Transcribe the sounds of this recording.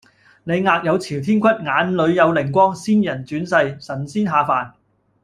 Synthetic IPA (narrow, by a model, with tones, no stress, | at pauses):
ne˨˧jŋaː˧k̚jɐ˨˧wt͡sʰiː˨˩wt̪ʰiː˥nkʷʰɐ˥t̚ŋaː˨˧nlɵ˨˧ɥjɐ˨˧wlɪ˨˩ŋkʷwɔː˥ŋsiː˥njɐ˨˩nt͡syː˨˥nsɐ˧jsɐ˨˩nsiː˥nɦaː˧faː˨n